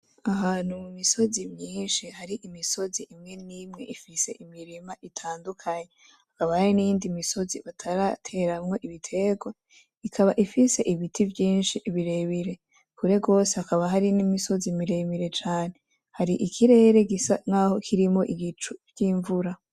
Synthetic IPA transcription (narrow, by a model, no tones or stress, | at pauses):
aɦanumumiso̞zimɲiːnʃihaɾiʔimiso̞ziʔimŋe̞nimŋe̞ʔifise̞ʔimiɾimaʔitʰaːndukʰaɲe̞ | hakaβahaɾinijiːndimiso̞ziβatʰaɾatʰe̞ɾamŋo̞ʔiβitʰe̞ɡwe | ikʰaβaʔifise̞ʔiβitʰivjiːnʃiʔβiɾe̞βiɾe̞ | kuɾe̞ɡo̞ːsehakaβaɦaɾinimiso̞zimiɾe̞βiɾe̞t͡ʃaːne̞ | haɾiʔikʰiɾe̞ːɾe̞ɡisaŋ̥aho̞kʰiɾimo̞ʔiβit͡ʃuvjiːɱvuɾa